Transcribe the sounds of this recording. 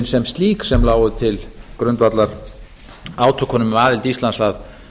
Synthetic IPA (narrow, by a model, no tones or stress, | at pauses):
nsɛmst̪liːksɛmlaːwʏt̪ʰɪlkɾʏnt̪vat̪laɾ̥ | aːwt̪ʰɔkʰɔnʏmaːðɪlt̪ist̪lansað